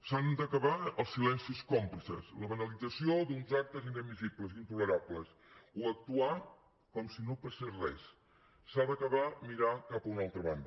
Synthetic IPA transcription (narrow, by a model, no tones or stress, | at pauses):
sand̪əkəβaəlˠsilɛnsiskɔmpləsə̰sləβənəlid͡zəsiod̪unzak̚t̪əzinəmizipləzint̪uləɾapləs | uək̚t̪ua | kɔmsinopaserɛ̰s | sːaðəkəβamiɾakapəunalˠt̪ɾəβand̪ə